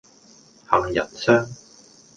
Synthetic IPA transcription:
ha˨˩ŋjɐ̰˨˩nsœː˥ŋ

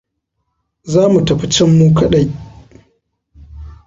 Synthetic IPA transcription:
zaː˦mu˨tɐ˨ɸa˨t͡ʃɐ˦mːuː˦kɐ˦ɗa˦j

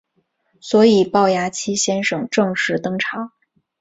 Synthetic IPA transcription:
swɔ˧˥i˨˩pɑ˥˩ʊja˧˥t͡ɕʰi˥ɕjɛ˥nʂɤ˨˩ŋʈ͡ʂɤ˥˧ŋʂɻ̩˥˩t̪ɤ˥ŋʈ͡ʂʰɑ˧˥˦ŋ

